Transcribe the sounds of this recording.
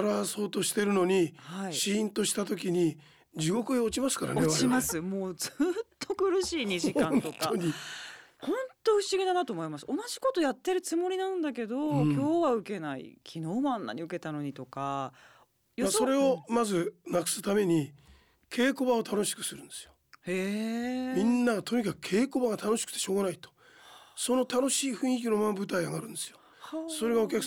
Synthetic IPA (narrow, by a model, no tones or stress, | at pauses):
aɾaso̞ːt̪o̞ɕi̥t̪e̞ɾɯ̟no̞ɲ̟ihaiɕĩːnt̪o̞ɕi̥t̪at̪o̞kʲiɲ̟i | d͡ʑiɡo̞kɯ̟eo̞t͡ɕimasɨ̥ka̰ɾa̰noeimasɨmo̞ːd͡zɨːt̪ʰːo̞kɯ̟ɾɯ̟ɕiːɲ̟iʑikãno̞tk̪ʰːaoɲihõ̞nt̪o̞ɯ̟ɕiɡʲed̪anat̪o̞ːmo̞imasɨ̥o̞naʑi̥ko̞t̪o̞jat̪ːe̞ɾɯ̟t͡sɨmo̞ɾʲinãnd̪ake̞d̪o̞kʲo̞ːβaɯ̟ke̞naḭkʲʰino̞ːmãnːa̰ɲ̟iɯ̟ke̞t̪ano̞ɲ̟it̪o̞ka | jomaso̞ɾe̞o̞mazɨnakɯ̟̥sɨt̪ame̞ɲ̟i | kʰe̞ːko̞βao̞t̪ʰano̞ɕi̥kɯ̟̥sɨɾɯ̟̃nd̪̥e̞sɨ̥ijoemʲĩnːaɡat̪o̞ɲ̟ikakɯ̟̥kʰe̞ːko̞baɡat̪ano̞ɕi̥kɯ̟̥t̪ːe̞ɕo̞ːɣanait̪o̥ | so̞no̞t̪ano̞ɕiːɸɯ̟̃ɰ̃ik̬ʲino̞mambɯ̟t̪aiaɡaɾɯ̟̃nd̪esɨjo | so̞ɾe̞ɡaokʲakɯ̟